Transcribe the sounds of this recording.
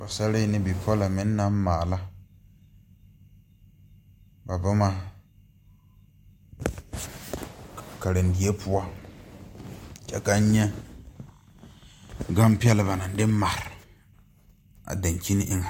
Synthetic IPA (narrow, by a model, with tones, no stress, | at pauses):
ba˨sa˦ɾi˦nɪ˦bi˨pʰɔ˦la˨mɪ˨˦nː˦a˦m˦maː˨la˦ | ba˨ba˦ma˦ | ka˨ɾɪ˨n˨di˨e˦pʊ˦a˦ | t͡ʃɛ̰˦ka˦ɲɛ˦ | ɡa˦mpɪ˦ɛ˦lɪ˦ba˨na˨n˦dɪ˦ma˨ɾɪ˨ | a̰˨da˨ɲ˨ki˦ni˦ʔɪ˦ŋa˨